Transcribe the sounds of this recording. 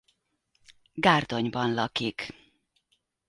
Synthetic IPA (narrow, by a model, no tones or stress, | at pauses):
ɡaːrd̪o̞ɲbɒnlɒkik